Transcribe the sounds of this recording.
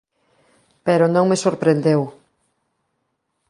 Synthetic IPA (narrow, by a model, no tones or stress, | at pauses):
peɾʊnõŋmesoɾpɾend̪ew